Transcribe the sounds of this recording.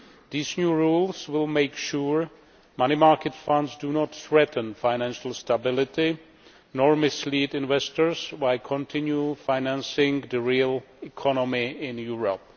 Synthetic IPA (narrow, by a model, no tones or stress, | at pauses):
ðiznjuɹulˠswɪlˠmeɪkʃuɹ | mañimaɹkɨtfʌ̃ndzdunɔt̪θɹɛtn̩faɪnæ̃nʃəl̩ˠstabɪlˠɪti | nɔɹmɪslidɪ̃nvɛstəɹzwaɪlkʰɔ̃ntʰɪ̃njufaɪnæ̃nsɪ̃ŋðəɹilˠɪkʰɔnɔmiɪ̃njuɹəp̚